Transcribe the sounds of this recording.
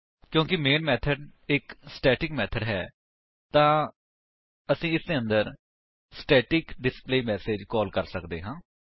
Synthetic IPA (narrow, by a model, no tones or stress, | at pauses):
kjõːkɪmeːnmɛːt̪ʰəɖɪksʈɛːʈɪkmɛːt̪ʰəɖɦɛː | t̪ãː | əsĩːɪsd̪eːə̃nd̪əɾ | sʈɛːʈɪkɖɪspleːmɛːseːd͡ʒkɔːlkəɾsəkd̪eːɦãː